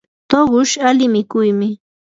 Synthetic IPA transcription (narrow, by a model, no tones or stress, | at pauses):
t̪oɢʊʃalɪmɪkʊjmɪ